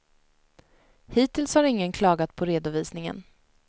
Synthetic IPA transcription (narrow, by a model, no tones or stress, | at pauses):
hiːt̪ɪlshaɾɪŋːənkʰlɑːɡat̪̚pʰɔɾeːd̪ʊviːsnɪŋə̰n